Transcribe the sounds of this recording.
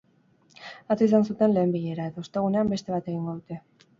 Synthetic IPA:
at͡s̪ois̬ansut̪e̞nle̞ːmbiʎe̞ɾaet̪aost̪e̞ɣune̞ambe̞st̪e̞β̞at̪e̞ɣ̞iŋɡo̞ðut̪e̞

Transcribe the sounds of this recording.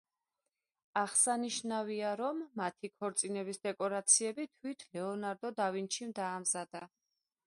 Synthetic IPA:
aʁsaniʃnaviaɾɔmːat̪ʰikʰɔɾt̪sʼinɛbisd̪ɛkʼɔɾat̪sʰiɛbit̪ʰwit̪ʰlɛɔnaɾd̪ɔd̪avinʃimd̪aːmzad̪a

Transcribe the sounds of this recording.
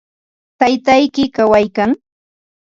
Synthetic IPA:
t̪ajt̪ajkɪkawajkaŋ

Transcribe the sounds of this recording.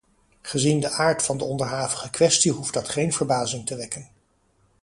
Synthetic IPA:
χəzindəʔaːɹtfɑndəɔndəɹɦaːvəχəkʋɛstiɦufdɑtχejnvəɹbaːzɪŋtəʋɛkən

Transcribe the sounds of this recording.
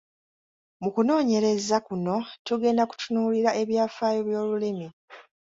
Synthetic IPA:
mukuno̞ːɲe̞ɾe̞zakuno̞tuɡe̞ːndaku̥tʰunuːliɾaʔe̞βjaːfaːjoβjo̞ːlulimi

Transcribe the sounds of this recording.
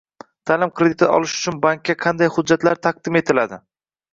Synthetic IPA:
t̪ʰaːlɪmkɾed̪ɪt̪ɪɒ̰lɪʃʊ̥t͡ʃʰʊnbaŋk̚ʲːaqʰɑnd̪ajhʊd͡ʒːat̪laɾt̪ʰaq̚d̪ɪme̞t̪ʰɪlad̪ɪ

